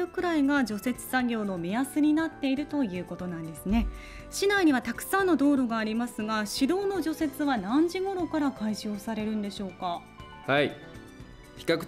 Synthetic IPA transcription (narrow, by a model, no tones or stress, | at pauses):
ɯ̟kɯ̟ɾaiɡad͡ʑo̞se̞t͡sɨ̥saɡʲo̞ːno̞mʲijasɨɲ̟inat̪ːe̞iɾɯ̟t̪o̞jɯ̟ːko̞t̪o̞nãnd̪e̞sɨne̞ | ɕinaiɲ̟iβat̪akɯ̟̥sãnːo̞d̪o̞ːɾoɡaːɾʲimasɨɡaɕid̪o̞ːno̞ʑo̞se̞t͡sɨβanãɲ̟d͡ʑiɡo̞ɾo̞kaɾakaiʑoːsaɾe̞ɾɯ̟̃nd̪e̞ɕo̞ːka | hai | çi̥kakɯ̟̥